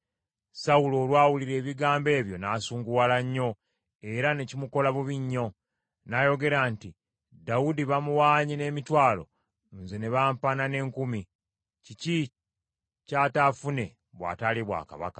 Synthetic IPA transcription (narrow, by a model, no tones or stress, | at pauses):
sawulo̞ːlwaːwuliɾe̞ːβiɡaːmbe̞ːβjo̞naːsuːŋɡuwalaɲːo̞ | e̞ɾane̞cimuko̞laβuβiɲːo̞ | najo̞ɡe̞ɾaːnti | dawudiβamuwaːɲine̞ːmitwaːlo̞̰ | nze̞ne̞βaːmpanane̞ːŋkumi | cici | catafune̞ | βwa̰ːtaliβwa̰ːka̰βa̰kḁ